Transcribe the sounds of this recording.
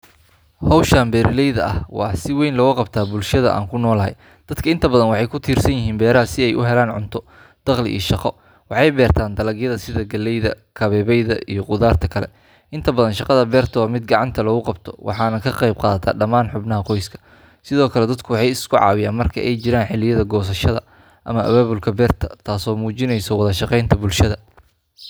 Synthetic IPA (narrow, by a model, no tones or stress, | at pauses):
hɔwʃaːmbɛːɾɪlɛjðɐɐhwɑ̰ːsɪwɛjnlɔːɣʊqɑbt̪ʰaːbʊlʃɐðɐ̰ʔa̰ːŋkʰʊnɔːlɐɦɛ̰j | d̪̥ɐd̪kʰɐɪnt̪ʰɐbɐðɐnwɑħɑjkʰʊt̪ʰiːrsɐnjɪɦiːnbɛːɾɐɦɐsɪɛjʔʊ̰ɦɛlaːnʕʊ̰nt̪ʰɔ | d̪̥ɑqlɪ̰ʔḭːʃɑqɔ | wɑħɑjbɛːrt̪ʰaːnd̪ɐlɐɣjɐðɐsɪðɐɡɐlːɛjðɐ̰ | kʰɐβɛːβɛjðɐʔijɞqʊðaːrt̪ʰɐkʰɐlɛ̰ | ʔɪnt̪ʰɐbɐðɐnʃɑqɑðɐbɛːrt̪ʰɐwmɪd̪̚ɡɑʕɑnt̪ʰɐlɔːɣʊqɑbt̪ʰɔ̥wʔɑ̰ħɑːnɐkʰɐqɛjb̚qɑːðɐt̪ʰa̰ːɖɐmaːnħʊbnɐɦɐqɔjskʰɐ̥ | sɪðɔːkʰɐlɛd̪ɐd̪kʰʊwɑħɑjɪskʰʊʕɑ̰ːwɪjaːnmɐrkʰɐ̰ʔɛjt͡ʃɪɾaːnħɪlɪjɐðɐɡɔːs̬ɐʃɐðɐ̰ | ʔɐmɐʔɐ̰βaːβʊlkʰɐbɛːrt̪ʰɐt̪ʰaːsɔːmuːt͡ʃɪnɛjsɔwɑðɐʃɑqɛjnt̪ʰɐbʊlʃɐðɐ